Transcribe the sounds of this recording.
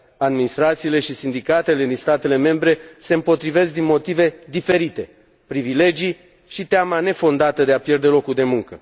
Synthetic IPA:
ad̪minist̪ɾat̪siːle̞ʃisind̪ikat̪e̞le̞d̪inst̪at̪e̞le̞me̞mbɾe̞se̞ɨmpo̞t̪ɾive̞s̬k̚d̪inmo̞t̪ive̞d̪ife̞ɾit̪e̞ | pɾivile̞d͡ʒi | ʃit̪eamane̞fo̞nd̪at̪əd̪e̞apje̞rd̪e̞lo̞kud̪e̞muŋkə

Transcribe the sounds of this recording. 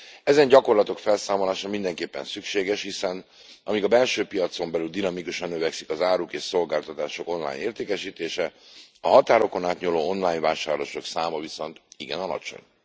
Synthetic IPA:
ɛzɛɲɟɒko̞rlɒt̪o̞kfɛlsaːmo̞laːʃɒmind̪ɛŋkeːpːɛ̰nsykʃeːɡɛʃhisɛn | ɒmiɡɒbɛlʃøːpijɒt̪so̞mbɛlyld̪inɒmikuʃɒnːøvɛksikɒzaːɾukeːʃso̞lɡaːlt̪ɒt̪aːʃo̞ko̞nla̰ːjɲneːrt̪eːkɛʃiːt̪eːʃɛɒɦɒt̪aːɾo̞ko̞naːt̪ɲuloːonlaːjɲvaːʃaːrloʃo̞ksaːmɒviso̞nt̪iɡɛ̰nɒlɒ̰t͡ʃo̞̰ɲ

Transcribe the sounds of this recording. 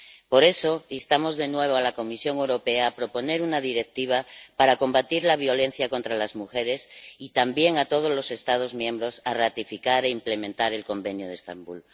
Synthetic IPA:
po̞ɾe̞so̞list̪amo̞zðe̞nwe̞β̞o̞alako̞misjo̞ŋewɾo̞pe̞aːpɾo̞po̞ne̞ɾunaðiɾe̞k̚t̪iβ̞apaɾako̞mbat̪iɾlaβ̞jo̞le̞n̟θjako̞nt̪ɾalazmuxe̞ɾe̞sit̪ambje̞ŋat̪o̞ð̞o̞zlo̞se̞st̪að̞o̞zmjẽ̞mbɾo̞sarat̪ifikaɾe̞imple̞mẽnt̪aɾe̞lko̞mbe̞njoð̞est̪a̰mbṵl

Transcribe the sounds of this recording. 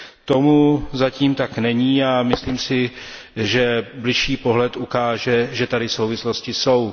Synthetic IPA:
t̪o̞muzaciːmt̪aknɛɲiːamɪsliːmsɪ | ʒɛblɪʃiːpo̞ɦlɛt̪ukaːʒɛʒɛt̪adɪso̞wvɪslo̞scɪso̞w

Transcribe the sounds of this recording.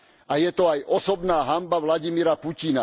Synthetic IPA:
ajɛt̪ɔajʔɔsɔbnaːɦambaʋlaɟimiɾapucina

